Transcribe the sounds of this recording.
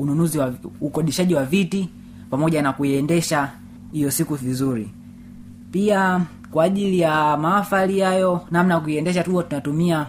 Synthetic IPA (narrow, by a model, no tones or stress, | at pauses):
ununuziwaukɔɗiʃaʄiwaviti | pamɔʄanakuiɛndɛʃa | hijɔsikuvizuɾi | pia | kwaːʄilijamaafalijajɔnamnajakuiɛndɛʃatuɔtunatumia